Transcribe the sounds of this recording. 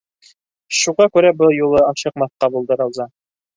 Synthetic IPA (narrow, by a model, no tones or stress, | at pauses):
ʃuʁɑkʉɾæbɤlˠjulˠɤɑnɕɤ̆q̚mɑθqɑbulˠd̪ɤɾɑlˠzɑ